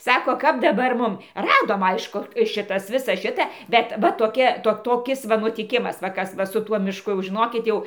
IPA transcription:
ˈsɑːkoː kɐp dɐˈbɐr ˈmʊm ˈrɑːdoːm ˈɐɪʃkʊ ˈʃʲɪtɐs ˈʋʲɪsɐ ˈʃʲɪtɐ ˈbʲɛt ʋɐ toːˈkʲɛ ˈtoː toːˈkʲɪs ʋɐ nʊtʲɪˈkʲɪmɐs ʋɐ ˈkɐs ˈʋɐ sʊ ˈtuɔ mʲɪʃˈkʊ jɛʊ ʒʲɪˈnoːkʲɪt ˈjɛʊ

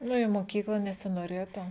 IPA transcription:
ˈnʊ ɪ moːˈkʲiːklˠɐ nʲɛsʲɪnoːˈrʲeːtʊ

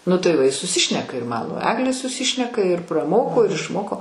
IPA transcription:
ˈnʊ tɐɪ ˈʋɐ ɪ sʊˈsʲɪʃʲnʲɛkɐ ɪr ˈmɑːnoː ˈɑːɡlʲeː sʊˈsʲɪʃʲnʲɛkɐ ɪr prɐˈmoːkoː ɪr ɪʃˈmoːkoː

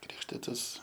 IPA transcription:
ˈkrʲɪkʃʲtʲɪtɐs

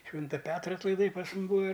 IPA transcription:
ˈʃʲʋʲɪntɐ ˈpʲæːtrɐ ɐtlˠɐɪˈdɐɪ pɐs ˈmʊm ˈbuːɐ

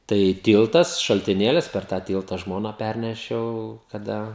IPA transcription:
ˈtɐɪ ˈtʲiːlˠtɐs ʃɐlʲtʲɪˈnʲeːlʲɪs pʲɛr tɑː ˈtʲiːlˠtɐ ˈʒmoːnɑː ˈpʲærʲnʲɛʃʲɛʊ kɐˈdɐ

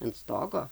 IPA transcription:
ɐnt ˈstoːɡoː

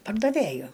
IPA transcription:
pɐrdɐˈʋʲeːjʊ

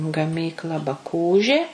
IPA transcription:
ɡɐˈmʲiːklˠɐ bɐˈkuːʒʲeː

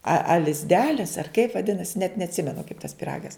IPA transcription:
ɐ ɐ lʲɪzʲˈdʲæːlʲɪs ɐr kɐɪp ʋɐˈdʲɪnɐsʲɪ nʲɛt nʲɛɐtʲˈsʲɪmʲɛnʊ kɐɪp tɐs pʲɪˈrɑːɡɐs

